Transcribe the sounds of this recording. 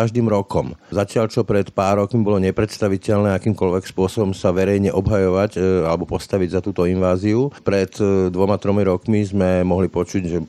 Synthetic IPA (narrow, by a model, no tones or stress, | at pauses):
aʒd̪iːmɾɔkɔmzacɪaʎt͡ʃɔpɾɛt̪paːɾːɔkmibɔlɔɲɛpɾɛt̪st̪aʋicɛʎnɛːakiːmkɔʎʋɛkspʊɔsɔbɔmsaʋɛɾɛjɲɛʔɔbɦajɔʋacalɛbɔpɔst̪aʋiɟzat̪uːt̪ɔinʋaːziupɾɛt̪d̪ʋɔmat̪ɾɔmiɾɔkmizmɛmɔɦlipɔt͡ʃuɟʒɛ